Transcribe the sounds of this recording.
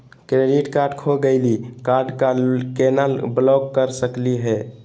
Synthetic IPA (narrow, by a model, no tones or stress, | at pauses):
kɾeɖiʈkaɾɖkʰoɡəɪlikaɾɖkakenəlblɔɡkəɾsəkliɦɛ